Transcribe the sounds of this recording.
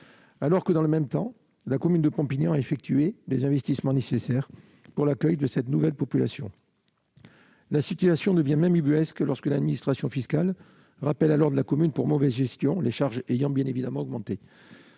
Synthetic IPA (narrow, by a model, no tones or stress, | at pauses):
alɔʁkəd̪ɑ̃ləmɛmt̪ɑ̃ | lakɔmynd̪əpɔ̃piɲjɑ̃aefɛk̚t̪ʰyed̪ezɛ̃vɛst̪ismɑ̃nesesɛʁ | puʁlakœjd̪əsɛt̪nuvɛlpɔpylasjɔ̰̃ | lasit̪yasjɔ̃d̪əvjɛ̃mɛ̃mybyɛsklɔʁskəlad̪minist̪χasjɔ̃fiskal | ʁapɛlalɔʁd̪əlakɔmynpuʁmɔvɛzʒɛst̪jɔ̃leʃaʁʒejɑ̃bjɛ̃nevid̪amɑ̃ɔɡmɑ̃t̪e